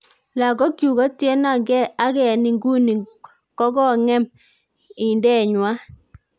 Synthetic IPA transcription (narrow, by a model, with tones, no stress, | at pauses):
la˨ɡɔ˦kju˨ɣɔ˦tje˦na˨ŋɡɛ˦a˦ɡɛ˨ni˨ŋɡu˦ni˨ | kɔ˦ɡɔ˦ŋɛ˦m | ɪ˨ndɛ˦˨ɲwa˦